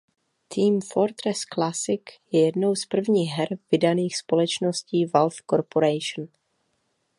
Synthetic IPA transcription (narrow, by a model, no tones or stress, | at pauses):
t̪ʰiːmfoɾt̪ɾɛsklasɪkjɛjɛdno̞wspr̩vɲiːxɦɛɾvɪdaniːxspo̞lɛt͡ʃnosciːvalθkoɾpoɾɛjʃn